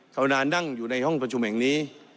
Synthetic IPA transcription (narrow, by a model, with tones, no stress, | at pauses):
kʰa˧wnaː˧nda˥˩ŋjuː˨˩na˧jhɔ˥˩ŋpɾa˧t͡ɕʰu˧mhɛ˨˩ŋniː˦˥